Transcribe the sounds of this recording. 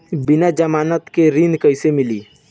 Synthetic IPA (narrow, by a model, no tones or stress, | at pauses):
bɪnad͡ʒəmaːnət̪keɾɪ̃nd̪kəɪsemɪliː